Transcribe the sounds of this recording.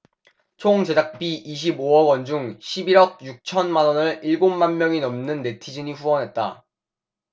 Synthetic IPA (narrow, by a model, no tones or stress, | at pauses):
t͡ɕʰoŋd͡ʑe̞d͡ʑak̚p͈iʔiɕ̬ʰiboʌɡwʌnd͡ʑuŋɕʰibiɾʌk̚juk̚t͡ɕʰʌnmanʌnɯɭiɭɡomːanmjʌŋinʌmnɯnːe̞tʰid͡ʑiɲiɸuwʌnɦe̞t̚t͈a̰